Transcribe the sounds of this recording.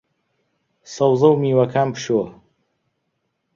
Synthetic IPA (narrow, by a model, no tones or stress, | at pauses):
sɐwzɐwmiːwɐkʰaːmpɨ̥ʃo